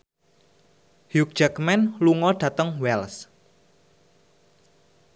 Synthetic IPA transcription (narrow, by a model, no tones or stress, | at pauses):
hjuk̚d̥ʒ̥akmɛnluŋɔɖ̥ä̤t̪əŋwɛls